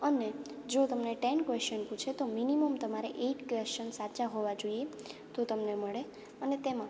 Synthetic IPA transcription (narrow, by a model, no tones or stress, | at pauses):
əne | d͡ʒot̪əmneʈɛnkʋest͡ʃənpũt͡ʃʰet̪ominiməmt̪əmaɾeʔeʈkʋest͡ʃənsat͡ʃaɦoʋad͡ʒoiet̪ot̪əmneməɭe | ənet̪emã